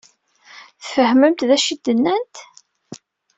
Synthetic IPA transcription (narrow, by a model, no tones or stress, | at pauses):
θfəhməmt̪ðæʃid̪ənːænt̪